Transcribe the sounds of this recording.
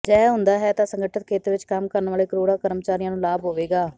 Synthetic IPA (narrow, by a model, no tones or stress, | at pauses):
d͡ʒɛːɦʊ̃nd̪aːɦɛːt̪ãːsəŋɡəʈʰət̪̚kʰeːt̪eːʋɪt͡ʃkəmkəɾnʋaːleːkəɾoːɽaːkəɾmt͡ʃaːɾijãːnũːlaːbɦoːʋeːɡaː